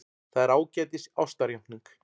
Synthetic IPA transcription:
θaðɪɾaːwcɛːt̪ɪsa̰wst̪aɾjawhniŋk

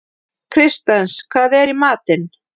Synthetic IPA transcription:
kʰɾɪst̪anskʰvaːðɛɾimaːt̪ɪn

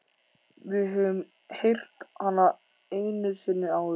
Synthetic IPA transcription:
vɪɦʏm | hejr̥t̪hanːa | ejnʏsɪnːɪaw

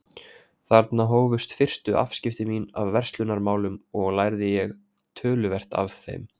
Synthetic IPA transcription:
θaɾt̪naɦoːwvʏst̪fɪr̥st̪ʏʔa̰fscɪft̪ɪmina̰vvɛr̥st̪lʏnaɾmaːwlʏmɔɣlajɾðɪjɛɣ | t̪ʰœːlʏvɛr̥t̪a̰vθɛ̰m

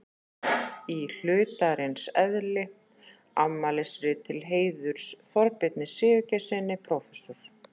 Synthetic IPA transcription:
il̥ʏːt̪aɾɪnsɛðlɪ | amːalɪsɾɪt̪ʰɪlɦeːjðʏɾ̥sθɔɾpɪt̪̚nɪsɪːvʏcɛsɪnːɪpʰɾɔːfɛsɔɾ̥

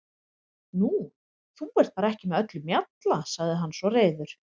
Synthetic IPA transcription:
nu | θuɛɾ̥t̪̚θaɾɛhcɪmɛðœt̪lʏmjat̪lasaɣðɪɦanːsvɔreːjðʏɾ̥

